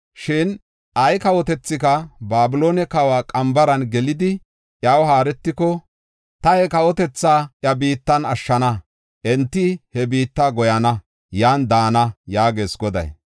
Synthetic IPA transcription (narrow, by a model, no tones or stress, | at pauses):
ʃɪn | ʔɐjkɐwɔt̪ɛt͡sːɪkɐbaːbɪlo̞ːnɛkɐwaːkʼɐmbɐɾɐnɡɛlɪd̪ɪ | ʔjɐwɦaːɾɛt̪ːɪkɔ | t̪ɐhɛkɐwɔt̪ɛt͡sːaːʔjɐbiːt̪ːɐnɐʃːɐnɐ | ʔɛnt̪ːɪhɛbiːt̪ːaːɡɔjɐnɐ | jaːnd̪aːnɐjaːɡe̞ːsɡɔd̪ɐ̰j